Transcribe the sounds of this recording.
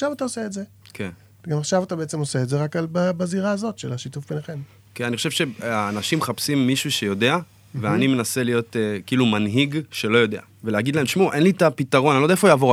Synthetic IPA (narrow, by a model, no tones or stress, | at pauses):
ʃavataoseːdze | kʰen | ɡamaχʃavatabeet͡se̞mose̞ːtdze̞ʁakalbabaziʁaːzo̞tʃe̞̰laʃitufbeneχe̞m | kenaniχoʃevʃe̞aːnaʃimχapsimːiʃuʃe̞jo̞de̞a | veanime̞naselijo̞tekiiːlumanɦiɡʃelo̞jo̞de̞a | veleaɡid̪lae̞mʃmuʔe̞nlitapitaʁo̞nanodaefojaːvo̞ʁ